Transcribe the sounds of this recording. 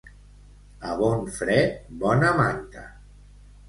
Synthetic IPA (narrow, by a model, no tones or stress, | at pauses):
əβɔnfɾɛt̪̚bɔnəmant̪ə